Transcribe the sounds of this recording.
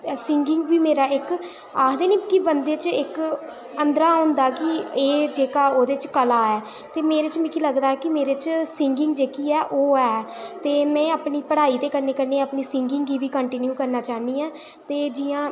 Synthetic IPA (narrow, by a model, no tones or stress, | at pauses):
sɪŋɡɪŋɡʋiːmeːɾaːɪk | aːd̪eːnĩːkibənd̪eːt͡ʃɪk | ənd̪ɾaːəʊnd̪aːkɪeːd͡ʒeːkaːoːd̪eːt͡ʃkəlaːɛː | t̪eːmeːɾeːt͡ʃmɛ̃kiləɡd̪aːɦɛːkɪmeːɾet͡ʃsɪŋɡɪŋɡd͡ʒeːkiːɛːʔoːɛː | t̪eːmɛ̃ːaːpniːpəɽaːiːt̪eːkəɾneːkəɾneːapniːsɪŋɡɪŋɡiːʋiːkəɳʈɪnjuːkəɾnaːt͡ʃaːɦniːãː | t̪eːd͡ʒiːãː